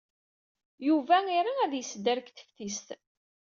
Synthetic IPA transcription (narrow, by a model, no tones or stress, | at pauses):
juvæiɾˤaæðjəsd̪ːəɾkθə̥fθist̪